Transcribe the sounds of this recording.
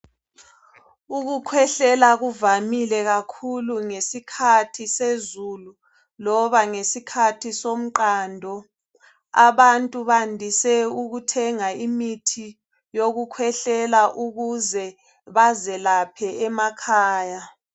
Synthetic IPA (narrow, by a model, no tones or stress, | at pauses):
uɣukʰwɛɬɛlaɣuvamilɛɣakʰuluŋesikʰatʰisezulu | lɔβaŋesikʰatʰisom̩ǃaːndʱɔ | aβantʼuβandʱisɛuɣutʰɛŋaimitʰi | joɣukʰwɛɬɛlaʔuɣuzɛ | βazɛlapʰɛɛmakʰaːja